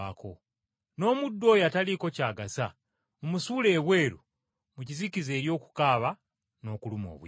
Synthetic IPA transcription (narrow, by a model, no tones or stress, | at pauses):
akʰo̞ | no̞ːmudːo̞ːjataliko̞caːɡasa | omusuːle̞ːβwe̞ːɾu | mucizicize̞ːɾjo̞ːku̥kaːβa | no̞ːkulumo̞̰ːβw